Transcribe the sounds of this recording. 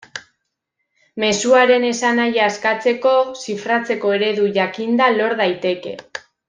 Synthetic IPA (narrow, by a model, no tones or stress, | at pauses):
me̞suaɾe̞ne̞sanajaːskat͡se̞ko̞sifɾat͡se̞ko̞e̞ɾe̞ðuʝakind̪alo̞ɾðajt̪e̞ke̞̰